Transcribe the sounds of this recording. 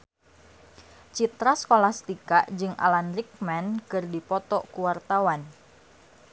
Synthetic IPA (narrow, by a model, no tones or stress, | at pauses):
t͡ʃit̪ɾaskolahst̪ikaʔd͡ʒɨŋʔa̰lanrik̚mɛnkɨrdipɔt̪ɔkuwart̪awan